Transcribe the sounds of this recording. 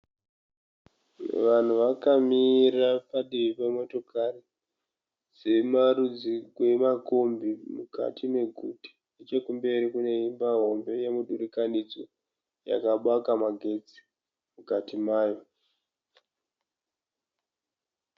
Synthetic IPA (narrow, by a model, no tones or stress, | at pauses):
ʋan̤uʋakamirapaɗiʋipamo̞to̞kʰare | se̞maɾud͡zikwe̞makombimuka̰tʰine̞ɡʱuti̥ | et͡ʃekumbe̞ɾikune̞imbaɦo̞mbe̞jemuɗuɾikanid͡zo̞ | ja̰kaɓwakamaɡʱe̞d͡zi̥ | mukatimaːjo̞